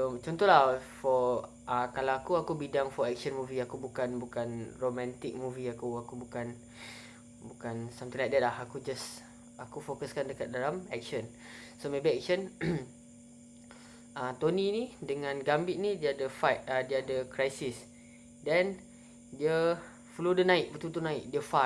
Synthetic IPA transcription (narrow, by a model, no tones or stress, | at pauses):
sot͡ʃɔnt̪ɔhlafɔ | ʔakalawakuakubidaŋfɔɛk̚ʃənmũviakubukanbukanromɛ̃nt̪ɪk̚mũviakuakubukan | bukansamt̪ĩŋlak̚dɛt̪̚lahakud͡ʒas | akufokəskandəkat̪̚dalamɛk̚ʃən | somebiɛk̚ʃən | at̪oninidəŋãnɡambɪʔ̚nidiadəfat̪̚adiadəkɾajsis | dɛn | diə | flodənãɪʔ̚bət̪ut̪unãɪʔdiəfa